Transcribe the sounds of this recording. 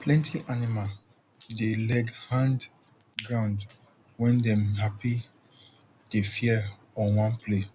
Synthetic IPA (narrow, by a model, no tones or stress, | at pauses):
pʰlɛ̃ntʰiʔanimal | delɛɡhãnd | ɡɹãʊ̃nd | wɛ̃ndɛ̃mhapi | d̥efiɛ | ɔwãnpʰle